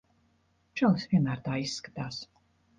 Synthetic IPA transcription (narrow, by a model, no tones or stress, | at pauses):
t͡ʃɔlˠsviɛnaːɾt̪aːisːkḁt̪ʰaːs